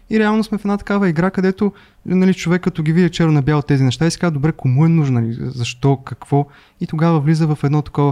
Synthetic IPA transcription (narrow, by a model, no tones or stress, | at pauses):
iɾɛalˠnosmɛfɛd̪nat̪ɐ̥kavəiɡɾakəd̪ɛt̪o | nɐlit͡ʃovɛkːɐt̪ɔɡʲivid̪ʲt͡ʃɛɾonɐbjalˠot̪ːɛzinɛʃt̪aisɛ̥kad̪obɾɛkomuɛnuʒnlizɐʃt̪ɔkɐkv̥ɔ | it̪oɡavəvlizəvɐfɛd̪nɔt̪ɐ̥kɔvə